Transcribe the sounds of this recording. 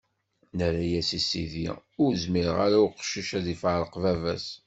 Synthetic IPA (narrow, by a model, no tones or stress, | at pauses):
nəɾæjæsisiðḭʊɾzmiɾəʁaɾaʊqʃiʃæðifəɾəqvævæs